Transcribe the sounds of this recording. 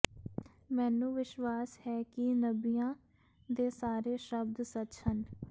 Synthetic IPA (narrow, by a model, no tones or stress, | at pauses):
mɛ̃ːnũːʋɪʃwaːshɛːkɪnəbiːjãː | d̪eːsaːɾeːʃəbd̪sətsən